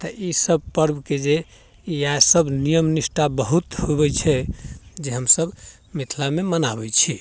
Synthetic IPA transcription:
t̪əʔisəbpəɾbked͡ʒe | jasəbʱnijəmnisʈabəɦut̪hobɛt͡ʃʰɛd͡ʒeɦəmsəb | mit̪ʰlamemənabɛt͡ʃʰi

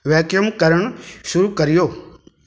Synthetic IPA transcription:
ʋɛːkjəmkəɾəɳ̃ʃʊɾukəɾɪjoː

